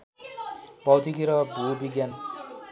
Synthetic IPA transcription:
pʌwt̪ʰikiɾʌbʱubiɡjan

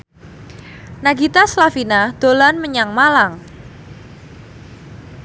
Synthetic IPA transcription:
naɡit̪aslafinad̪̥o̤lanməɲaŋmalaŋ

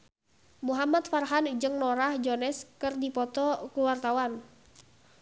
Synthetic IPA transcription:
muɦamat̪̚farɦand͡ʒɨŋnɔɾahd͡ʒɔnɛskɨrdipɔt̪ɔkuwart̪awan

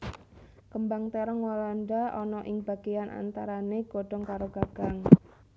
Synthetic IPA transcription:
kəmbaŋt̪eɾəŋwalanɖaɔnɔʔɪŋb̥a̤ɡ̥ejanʔa̰nt̪aɾaneɡ̥o̤ɖ̥ɔ̤ŋkaɾoɡ̥a̤ɡ̥a̤ŋ

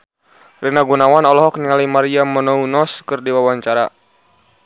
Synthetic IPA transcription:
rinaɡunawanɔlɔɦɔkniŋalimaɾiamɔnɔunɔskɨrdiwawaɲt͡ʃaɾa

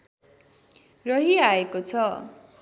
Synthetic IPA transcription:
rʌɦiaekot͡sʰʌ

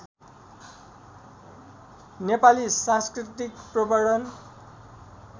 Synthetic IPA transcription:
nepalisãnskrit̪ikprʌbaɽʌn

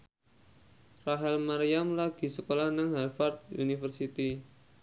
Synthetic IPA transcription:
raɦɛlmaɾijamlaɡ̥i̤səkolahnaŋɦɛlfart̪̚ṵnifərsit̪i

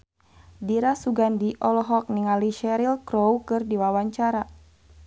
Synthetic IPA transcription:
diɾasuɡandiʔɔlɔɦɔk̚niŋaliʃɛɾilkɾowkɨrdiwawaɲt͡ʃaɾa

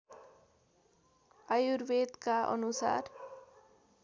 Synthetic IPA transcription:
ajuɾwed̪kaʔʌ̰nusa̰r

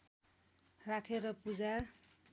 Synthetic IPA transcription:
rakʰeɾʌpud͡za

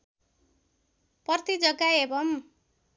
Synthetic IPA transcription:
pʌrt̪id͡zʌɡːaebʌm

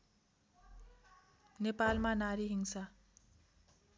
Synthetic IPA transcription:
nepalmanaɾiɦiŋsa

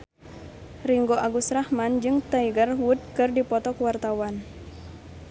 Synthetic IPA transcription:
riŋɡoʔaɡusrahmand͡ʒɨŋt̪aiɡərwud̪̚kɨrdipɔt̪ɔkuwart̪awan

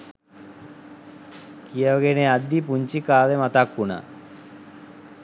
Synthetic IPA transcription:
kijəʋaɡenead̪ːipuɲt͡ʃikaːlemat̪akːuna̰

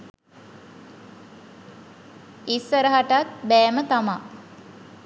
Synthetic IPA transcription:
isːəɾəɦaʈat̪̚bɛːmət̪ama

